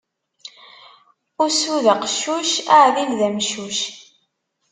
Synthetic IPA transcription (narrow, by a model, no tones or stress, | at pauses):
ʊɾsuðəqʃːuʃaʕðinðæmʃuʃ